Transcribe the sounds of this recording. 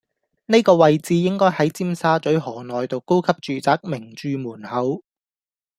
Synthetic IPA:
ne˥jkɔː˧wɐ˨jt͡siː˨˧jɪ˥ŋkɔː˥jhɐ˨˥jt͡siː˥msaː˥t͡ʃɵ˨˥ɥɦɔː˨˩nɔː˨jt̪o˨˧wko˥wkʰɐ˥p̚t͡ʃyː˨t͡saː˨˥k̚mɪ˨˩ŋt͡ʃyː˨˧muː˨˩nhɐ˨˥w

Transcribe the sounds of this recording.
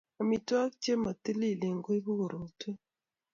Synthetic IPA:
o˨mi˨twa˦k̚t͡ʃje˦ma˨t̪i˦li˦˨le˨ŋɡo˦i˦bu˦ɣo˨ɾo˨te˦

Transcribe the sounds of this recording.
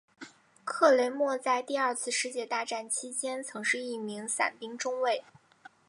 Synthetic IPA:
kʰɤ˥˩le˧˥ɪmwɔ˥˧t͡sa˥˧ɪt̪i˥˧ɐ˞˥˧t͡sʰɹ̩˥˧ʂɻ̩˥˧t͡ɕjɛ˥˩t̪a˥˧ʈ͡ʂa˥˩nt͡ɕʰi˥t͡ɕjɛ˥nt͡sʰɤ˧˥ŋʂɻ̩˥˧i˥˩mi˧˥ŋsa̰˨˩npi˥ŋʈ͡ʂʊ˥ŋwe˥˩ɪ

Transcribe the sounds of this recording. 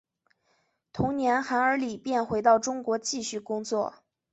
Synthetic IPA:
t̪ʰʊ˧˥ŋnjɛ˧˥nxa˧˥nə˞˧˥li˨˩pjɛ˥˩nxwe˧˥ɪt̪ɑ˥˩ʊʈ͡ʂʊ˥ŋkwɔ˧˥t͡ɕi˥˧ɕy˥˩kʊ˥ŋt͡swɔ˥˩

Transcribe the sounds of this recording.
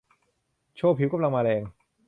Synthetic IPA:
t͡ɕʰoː˧˩pʰi˨˦wka˧mla˧ŋmaː˧lɛː˧ŋ

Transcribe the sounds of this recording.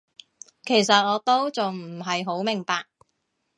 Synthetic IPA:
kʰe˨˩jsɐ˨t̚ŋɔː˨˧t̪o˥wt͡sʊ˨ŋm̩˨˩ɦɐ˨jɦo˨˥wmɪ˨˩ŋpaː˨k̚

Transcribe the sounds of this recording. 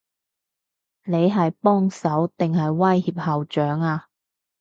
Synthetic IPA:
ne˨˧jɦɐ˨jpɔː˥ŋsɐ˨˥wt̪ɪ˨ŋɦɐ˨jwɐ˥jhiː˧p̚hɐ˨wt͡ʃœː˨˥ŋaː˧

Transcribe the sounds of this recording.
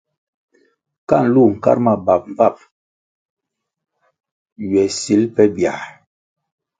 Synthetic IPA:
ka̰˦˨n̩˨lu˦˨ŋ̩˨ka̰˦ɾma˦˨ba˨p̚m˨va˦˨p̚ | ɥɛ˨si˨˦lpɛ˦bja˨

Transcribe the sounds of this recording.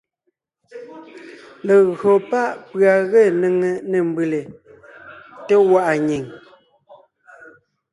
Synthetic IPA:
le˨ɣɰo˨pa˦ʔpɰa˨ɣe˦˨nə˨ŋe˨ne˨m˦bʉ˨le˨ | te˦wa˦˨ʔa˨ɲi˨ŋ

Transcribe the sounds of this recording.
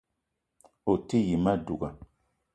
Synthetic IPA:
o˨ti˦ji˨ma˦du˨ɡa˨

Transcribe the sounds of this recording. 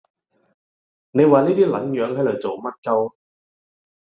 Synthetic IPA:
ne˨˧jwaː˨niː˥t̪iː˥lɐ˨˥ŋjœː˨˧˥ŋhɐ˨˥jlɵ˨˩jt͡so˨wmɐ˥t̚kɐ˥w

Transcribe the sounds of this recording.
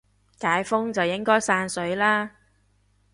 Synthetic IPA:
kaː˨˥jfʊ˥ŋt͡sɐ˨wjɪ˥ŋkɔː˥jsaː˧nsɵ˨˥ɥlaː˥

